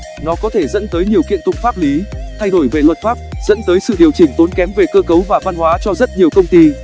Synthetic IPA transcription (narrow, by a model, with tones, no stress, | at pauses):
nɔ˨˦kɔ˨˦t̪ʰe˧˩zə̰˧˥nt̪əː˨˦jɲi˨˩əwkḭ˧˨ənt̪ʊ̰˧˨ŋ͡m̚faː˦˥p̚li˨˦t̪ʰa˧jɗo˧˩jve˨˩lwə˨˩t̚faː˦˥p̚z̥ə̰˧˥nt̪əː˨˦jsɨ̰˧˨ɗi˨˩əwt͡ɕï˧˩ŋ̟t̪o˨˦nkɛ˨˦mve˨˩kəː˧kə˨˦wvaː˨˩va˧nhwaː˨˦t͡ɕɔ˧zə˦˥t̚ɲi˨˩əwkə˧wŋ͡mt̪i˧